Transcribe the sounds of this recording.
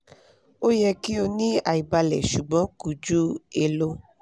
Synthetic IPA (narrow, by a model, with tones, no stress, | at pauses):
o˦jɛ˧ki˦o˧nĩ˦a˨i˨ba˧lɛ˨ʃu˨ɡ͡bɔ̃˨˦ku˨d͡ʒu˦e˨lo˧